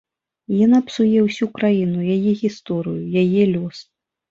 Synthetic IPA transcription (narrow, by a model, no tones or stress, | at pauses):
janapsujɛwsʲukɾajinujajɛɣʲist̪ɔɾɨjujajɛlʲɔs